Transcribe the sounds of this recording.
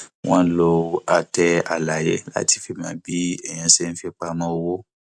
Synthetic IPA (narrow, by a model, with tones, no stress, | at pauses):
w̃ɔ̃˦lo˧a˧tɛ˧a˨la˨je˨˦la̰˦ti˧fi˧˦mãː˨˦bi˦ɛ˨j̃ã˧˦se˦˧n̩˦fi˧k͡pa˧mã˦o˧wo˦